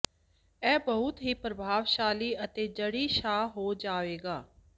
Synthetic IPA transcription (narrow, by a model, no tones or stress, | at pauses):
ɛːbəʊt̪ɦiːpɾəbʱaːʋʃaːliːʔət̪eːd͡ʒəɽiːʃaːɦoːd͡ʒaːʋeːɡaː